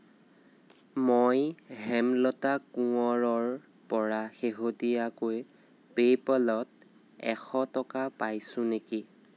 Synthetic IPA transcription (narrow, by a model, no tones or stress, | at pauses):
mojɦɛmlɔtakuɔɹɔɹ | pɔɹaxeɦotijakoj | pejpɔlɔt̚ | ɛ̰xɔtɔkapajsʊ̃neki